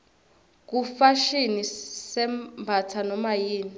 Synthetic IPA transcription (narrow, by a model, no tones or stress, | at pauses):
k̬ufaʃinisɛmbʱatʰanɔmajiːni